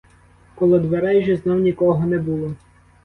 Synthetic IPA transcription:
kɔlˠɔd̪ʋeɾɛjʒɛznɔwnʲikɔɦɔnɛbulˠɔ

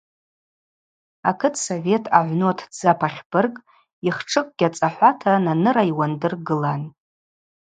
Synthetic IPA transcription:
akʰɨtʰso̞ve̞tʰaʕʷnotʰd͡zapʰaχʲb̥ɨrkʼ | iχʈ͡ʂʰɨkʼɡ̥ʲat͡sʼaħʷatʰananɨɾaiwandɨrɡɨlan

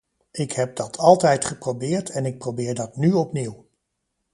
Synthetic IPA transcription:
ɪkɦɛp̚dɑtʰɑlˠtɛjtχəprobɪːɹtʰɛnɪk̚prowbɪːɹdɑtnyɔpniw

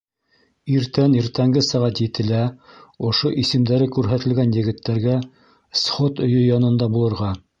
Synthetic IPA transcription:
iɾt̪æniɾt̪æŋɡɘsæʁæt̪jɘ̆t̪ɘ̆læŏʃoʔisɘ̆md̪æɾɘkʉɾɦæt̪ɘ̆lɡænjɘ̆ɡɘ̆t̪ːæɾɡæ | sχot̪ɵ̆jɵjɑnɤ̆nd̪ɑbulˠɤ̆ɾʁɑ

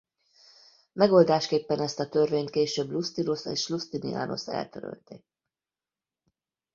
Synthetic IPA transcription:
mɛɡo̞ld̪aːʃkeːpːɛnɛst̪ɒt̪ørveːɲnt̪keːʃøːblust̪inosḛːʃlust̪inia̰ːno̞̰sɛ̰lt̪øɾø̰lt̪e

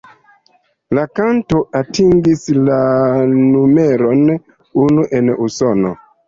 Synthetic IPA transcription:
lakanto̞atiŋɡislanumeɾon | unuʔenusono̰

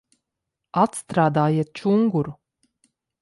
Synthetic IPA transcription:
at̪st̪ɾaːd̪aːjiɛt̪̚t͡ʃuŋɡuɾu

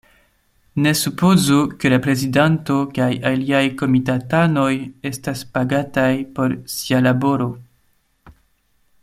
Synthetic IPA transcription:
ne̞supo̞zukelapɾe̞zidanto̞kajaliajko̞mitatano̞je̞staspaɡatajpo̞ɾsialabo̞ɾo̞

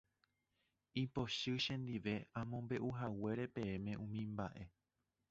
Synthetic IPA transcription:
ipo̞ʃɨʃẽ̞nd̪iʋe̞ãmõ̞mbe̞ʔuɦawe̞ɾe̞pẽ̞ẽmẽ̞ʔũmĩmba̰ʔe̞

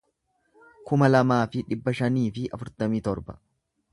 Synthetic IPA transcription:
kʊmɐlɐmaːfɪᶑɪbːɐʃɐniːfɪʔɐ̰fʊɾt̪ɐmiːt̪ɔɾbɐ

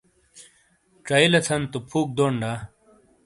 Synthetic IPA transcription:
ʈ͡ʂɐilɐt͡sʰɐnt̪upʰuːk̚d̪oːɳɖa

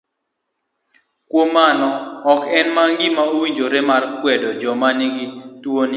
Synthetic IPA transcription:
kwomanɔɔkɛnmaŋɡɪmaowiɲd͡ʒoɾemarkwɛdɔd͡ʒɔmanɪɡɪtwon

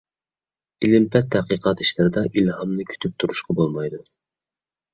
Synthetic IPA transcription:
ilɪmpʰɛt̪ʰːɛqiqɑt̪i̥ʃlɪɾɪd̪ɑʔilhɑmnɨkʲʰy̥t̪ʰyp̚t̪ʰuɾuʃqɑbolˠmɑjd̪u

